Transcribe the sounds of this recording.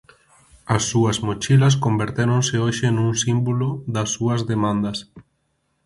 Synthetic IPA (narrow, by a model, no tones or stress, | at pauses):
ɐsːuɐsmot͡ʃilɐs̬kombeɾt̪eɾoŋsɪoʃenuŋsimbulʊðɐsːuɐzðemãnd̪ɐs